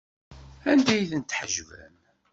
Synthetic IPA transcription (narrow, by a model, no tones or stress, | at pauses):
ænd̪æjθənt̪ħəʒvæ̰m